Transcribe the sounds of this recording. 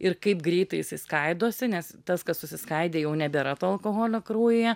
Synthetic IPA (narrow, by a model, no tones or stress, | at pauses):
ɪrkɐɪpɡɾʲɛɪt̪ɐɪɪsɐɪskɐɪd̪oːsʲɪnʲɛst̪ɐskɐssʊsʲɪskɐɪd̪ʲeːjɛʊnʲɛbʲeɾɐt̪oɐlˠkoːɣoːlʲokɾuːjɪjɛ